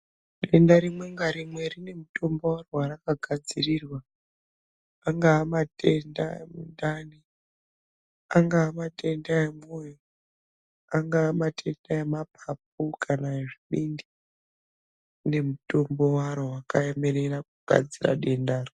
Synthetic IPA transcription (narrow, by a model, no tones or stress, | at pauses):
ɗe̞ndaɾimwe̞ŋɡaɾimwe̞rine̞muto̞mbo̞warowarakaɡʱad͡zirirwa | aŋɡaːmate̞nda̰emundani | aŋɡaːmate̞ndaemujo | aŋɡaːmatʰe̞ndaemap̚ap̚ukʰanaeʐiɓindi | ne̞muto̞mbo̞waɾowakaemeɾerakuɡ̥ʱa̰d͡zira̰ɗe̞ndaːri